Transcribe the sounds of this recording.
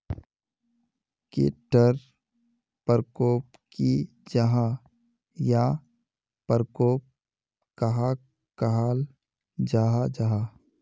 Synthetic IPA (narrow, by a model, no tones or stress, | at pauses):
kḛʈəɾ | pəɾkoːp̚ | ki | d͡ʒaɦa | ja | pəɾkoːp̚ | kaɦa | kəɦaːl | d͡ʒaɦad͡ʒaɦa